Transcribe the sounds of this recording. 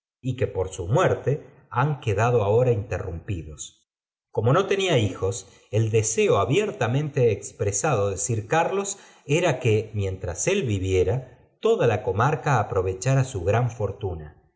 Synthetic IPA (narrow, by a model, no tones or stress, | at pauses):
ike̞poɾsumweɾt̪e̞ | aŋkeðað̞o̞ao̞ɾaint̪ḛrumpiðos | ko̞mo̞no̞t̪e̞niaixo̞s | eld̪ese̞oaβjeɾt̪amẽ̞nt̪eːkspɾesaðoðesiɾkaɾlo̞s | e̞ɾakemje̞nt̪ɾase̞lβiβje̞ɾa | t̪o̞ðalako̞maɾkaːpɾo̞β̞e̞t͡ʃaɾasuɣɾaɱfo̞ɾt̪una